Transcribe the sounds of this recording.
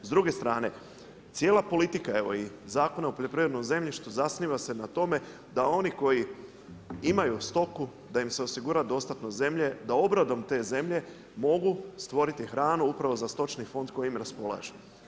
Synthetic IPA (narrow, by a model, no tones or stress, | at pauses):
zd̪ɾuɡe̞st̪ɾaːne̞ | t̪sje̞ːlapo̞lit̪ikae̞ʋo̞̰i | zaːko̞naupoʎo̞pɾiːʋɾed̪nomze̞mʎiʃt̪uzasniːʋase̞nat̪o̞me̞ | d̪ao̞niko̞ji | imajust̪o̞ku | d̪aimse̞o̞siɡuːɾad̪o̞st̪at̪no̞ze̞mʎe̞d̪ao̞bɾad̪o̞mt̪e̞ːze̞mʎe̞ | mo̞ɡust̪ʋo̞ɾit̪ixɾaːnuupɾaʋo̞zast̪o̞t͡ʃnifo̞nd̪ko̞jiimɾaspo̞lˠa̰ʒe